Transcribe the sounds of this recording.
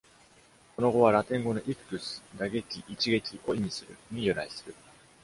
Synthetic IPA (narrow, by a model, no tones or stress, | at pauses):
ko̞no̞ɡo̞β̞aɾat̪ẽ̞ŋɡo̞no̞ʔikɯ̥kɯ̟sɨ̥d̪aɡe̞kʲiʔit͡ɕiɡe̞kʲiʔo̞imʲisɨɾɯ̟ɲ̟ijɯ̟ɾaisɨ̥ɾɯ̟̰